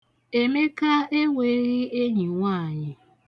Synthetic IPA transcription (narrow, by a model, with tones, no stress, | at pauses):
e˨me˦ka˦e˦ŋʷe˦ɾi˦e˦ɲi˨ŋʷaː˦˨ɲɪ˨